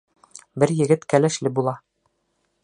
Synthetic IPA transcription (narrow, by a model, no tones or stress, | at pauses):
bɘɾjɘ̆ɡɘt̪kælæʃlɘbulˠɑ